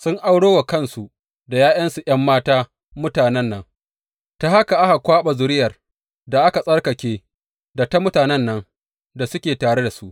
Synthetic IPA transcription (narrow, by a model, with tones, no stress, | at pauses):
sʊ˦ŋʔa˦wɽoː˦wa˨kɐ˦˨nsu˨ʔ | da˨jaː˦jɐ˦nsu˨j̰ɐ˦mːaː˦taː˦ | mʊ˦taː˨nɛ˦nːɐ˦ŋ | ta˦ha˦ka˨ʔa˦ha˨kʷaː˦ɓa˨zʊ˦ɾɪ˦jɐ˨r | da˨ʔa˦ka˨sʼɐ˦rkɐ˨kʲeː˦ | da˨ta˦mʊ˦taː˨nɛ˦nːɐ˦ŋ | da˨sʊ˦kʲeː˨taː˨ɽe˦da˨su˦ʔ